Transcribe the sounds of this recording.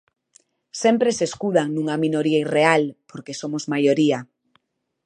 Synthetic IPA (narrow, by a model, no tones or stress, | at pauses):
sɛmpɾeseskuðaŋnũŋaminoɾiairealpoɾkesomozmajoɾia